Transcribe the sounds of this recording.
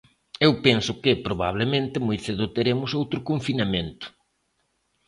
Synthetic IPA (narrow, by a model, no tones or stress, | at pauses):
ewpensʊkɪpɾoβaβlemẽnt̪ɪmojθeðʊt̪eɾemʊsowt̪ɾʊkoɱfinamẽnt̪ʊ̥